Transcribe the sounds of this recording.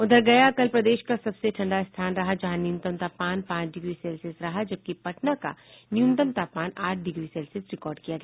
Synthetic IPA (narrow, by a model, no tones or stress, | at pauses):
ʊd̪ʱəɾɡɐjakɐlpɾɐd̪eːʃkasɐbseʈʰɐ̃ɳɖaɪst̪ʰaːnɾɐɦad͡ʒɐɦãnɪjʊnt̪əmt̪aːpmaːnpãːt͡ʃɖɪɡɾiseːlsɪsɾɐɦad͡ʒɐb̚kipɐʈnaka̰nɪjũnt̪əmt̪aːpmaːnaːʈʰɖɪɡɾisɛːlsɪsɾɪkɔːɾɖkijaɡɐɛ